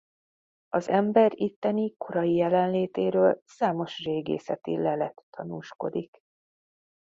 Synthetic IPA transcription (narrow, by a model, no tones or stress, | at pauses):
ɒzɛmbɛɾit̪ːɛnikʰo̞ɾɒjijɛlɛnleːt̪eːɾøːlsaːmo̞ʃreːɡḛːsɛt̪ḭlɛlɛt̪ːɒnuːʃko̞̰d̪ik